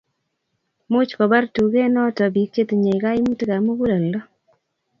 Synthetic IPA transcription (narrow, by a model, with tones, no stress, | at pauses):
mʊ˦t͡ʃkɔ˨ba˦rtu˨ɡe˦nɔ˦tɔ˨bi˨k̚t͡ʃe˦t̪ɲe˨i˨ɡa˦i˦mu˦tɡa˨mu˦ɡu˦lɛ˨lːɔ˦